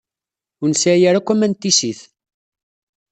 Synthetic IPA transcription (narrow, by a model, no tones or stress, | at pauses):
ʊnsajæɾækʷːæmænt̪ːisiθ